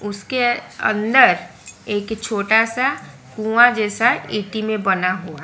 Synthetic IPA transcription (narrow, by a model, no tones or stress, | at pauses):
ʊskeə̰̃nd̪əɾeːkt͡ʃʰoːʈasa | kũãd͡ʒɛːsaiːʈimẽbɐnaɦoː